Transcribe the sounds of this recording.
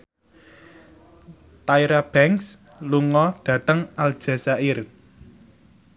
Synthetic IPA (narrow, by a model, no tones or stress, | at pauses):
t̪aiɾab̥ɛŋs | luŋɔɖ̥ä̤t̪əŋald̥ʒ̥ä̤saʔɪr